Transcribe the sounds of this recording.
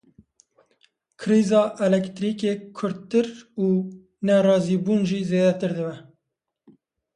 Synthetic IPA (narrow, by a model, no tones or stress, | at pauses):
kʰɾiːzɑːʔɛlɛkt̪ɾiːkeːkʰʊɾt̪ɨɾuː | nɛɾɑːziːbuːnʒiːzeːd̪ɛt̪ɨɾd̪ɨbɛ